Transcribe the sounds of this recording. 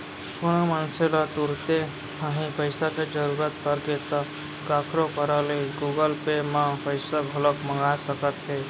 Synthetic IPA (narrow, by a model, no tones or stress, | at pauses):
kʊnomənselət̪uɾt̪e | ɦəɦĩpəɪsaked͡ʒəɾuːɾət̪pəɾket̪ə | kaːkʰɾokəɾəleɡuɡəlpemãpəɪsabʱələkməŋɡasəkət̪ɦe